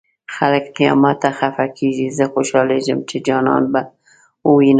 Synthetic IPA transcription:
xaləkq̪ijɑ̰mat̪axafakʰiʒizəxoʃɑleʒəmt͡ʃʰɪd͡ʒɑnɑ̰ːnba | uin

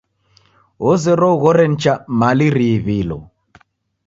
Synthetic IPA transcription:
ɔzɛɾɔɣɔɾɛn̩t͡ʃamaliɾiβilɔ̰

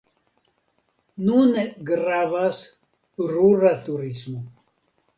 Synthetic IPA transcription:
nuneɡɾavas | ɾuɾat̪uɾismu

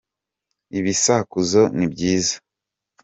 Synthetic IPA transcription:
iβisakuzo̞nibɟiːzḁ

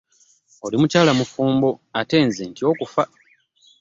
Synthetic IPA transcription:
o̞limucaːlamufuːmbo̞ate̞ːnzentio̞ːkufa

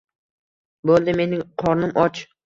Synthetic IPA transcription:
bolˠd̪ɪme̞nɪŋqʰɒɾnɪmʔɒt͡ʃ

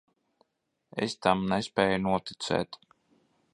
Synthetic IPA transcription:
ḛst̪amnɛspɛːjunuɔt̪i̥t̪sɛ̰ːt̪

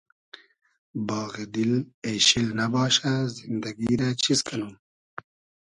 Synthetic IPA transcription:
bɑːɣid̪ɪleʃilnabɑːʃazɪnd̪aɡiɾat͡ʃʰizkʰanuː

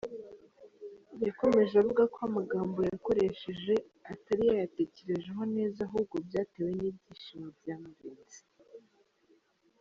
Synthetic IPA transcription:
jako̞me̞ʒavuɡakoamaɡaːmbo̞jako̞ɾe̞ʃeʒe̞ | ataɾijajate̞ce̞ɾe̞ʒe̞ɦo̞ne̞ːzaɦubɡo̞bjaːteːwe̞nibɟiːʃimobjaːmaɾiti̥

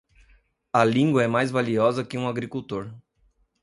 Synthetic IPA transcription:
ɐlĩŋɡwɐɛmajzvaliɔzɐkɪũaɡɾikuwt̪oɾ

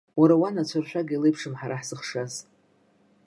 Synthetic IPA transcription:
waɾawanat͡ɕʷʰarʃʷᶣaɡilɨjpʰʂɨmħaɾʔaħz̥ɨχʂaz

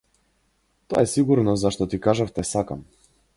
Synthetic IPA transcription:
t̪ɔa̰ɛsiɡuɾnɔzaʃt̪ɔt̪ikaʒaft̪ɛsakam

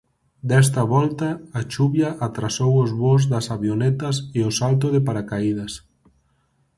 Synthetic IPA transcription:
d̪ɛs̬t̪ɐβɔlt̪ɐːt͡ʃuβjɐʔat̪ɾasowʊzβozðɐsaβjonɛt̪ɐseʊsalt̪ʊðɪpaɾakaið̞ɐs

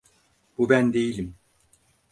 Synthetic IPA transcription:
b̥ubænd̪e̞jilʲim

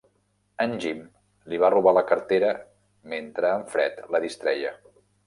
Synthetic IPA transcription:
ənʲʒim | liβ̞aruβaləkəɾt̪eɾə | ment̪ɾəːɱfɾɛ̰t̪ləðist̪ɾɛjə

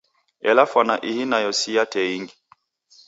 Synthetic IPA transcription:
ɛ̰lafwanaʔihinajɔsijatʰɛiŋɡi

